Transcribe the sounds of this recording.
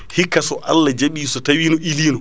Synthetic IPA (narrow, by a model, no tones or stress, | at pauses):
hikːasɔʔalːad͡ʒaɓiːsɔtawiːnɔʔiliːnɔ